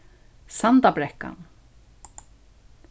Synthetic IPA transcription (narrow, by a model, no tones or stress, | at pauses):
sant̪apɾɛhka̰n